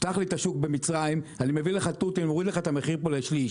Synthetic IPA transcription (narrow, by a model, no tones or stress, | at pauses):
t̪aχlit̪aʃuk̚be̞mit͡sʁajimanimevileχat̪ut̪inmoʁid̪leχaet̪ameχiʁpoleʃli